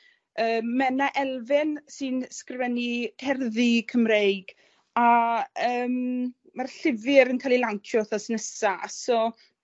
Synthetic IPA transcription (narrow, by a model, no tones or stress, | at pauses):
əːmːɛnaʔɛlˠvɪnsɨnskrvɛnid̥ʰɛrðikʰəmrejɡ̥ | aəːm | marɬɪvɨɾənkʰalˠilaŋkʰjɔθɔsnəsa̰sɔ